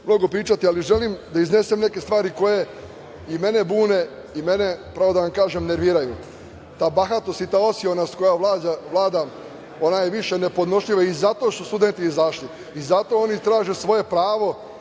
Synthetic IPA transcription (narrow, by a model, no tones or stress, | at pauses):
mno̞ɡo̞pɾiːt͡ʃat̪ialiʒe̞limd̪aizne̞semne̞ke̞st̪ʋaːɾiko̞je̞ | ime̞ne̞buːne̞ | ime̞nepɾaʋo̞d̪aʋamkaːʒemne̞ɾʋiɾaju | t̪aːbaxat̪osit̪aːo̞sjonasko̞jaʋlaːaʋlˠaːd̪am | o̞najeʋiʃe̞ne̞pod̪no̞ʃʎiʋaizat̪o̞ʃt̪ust̪ud̪e̞nt̪iːzaʃliː | zat̪o̞o̞nit̪ɾaːʒesʋo̞je̞pɾaːʋo̞